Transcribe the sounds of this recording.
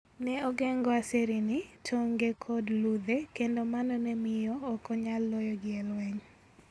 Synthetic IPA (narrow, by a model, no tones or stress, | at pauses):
nɛɔɡɛŋɡɔaseɾinɪtʰoŋɡekʰɔdlud̪ekendomanɔnɛmɪjɔːkɔɲalːojɔɡɪɛlwɛɲ